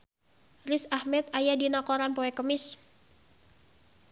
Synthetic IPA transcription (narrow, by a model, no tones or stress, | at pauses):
risahmɛt̪̚ajadinakoɾanpoɛkəmɪs